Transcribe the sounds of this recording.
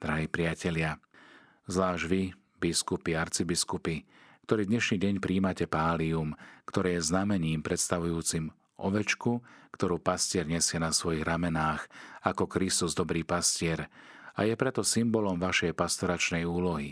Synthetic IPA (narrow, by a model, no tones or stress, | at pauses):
d̪ɾaɦɛpɾɪacɛʎɪa | zʋlaːʒɟʋi | biskupiaɾt͡sibiskupi | kt̪ɔɾiːd̪ɲɛʃniːɟɛɲpɾiːmacɛpaːliumkt̪ɔɾɛːjɛznamɛɲiːmpɾɛt̪st̪aʋujuːt͡sim | ʔɔ̰ʋɛt͡ʃkukt̪ɔɾuːpascɪɛɾɲɛsɪɛnasʋɔjiɣɾamɛnaːxakɔkɾist̪uzd̪ɔbɾiːpascɪɛɾ | a̰jɛpɾɛt̪ɔsimbɔlɔmʋaʃɛjpast̪ɔɾat͡ʃnɛjuːlɔɦi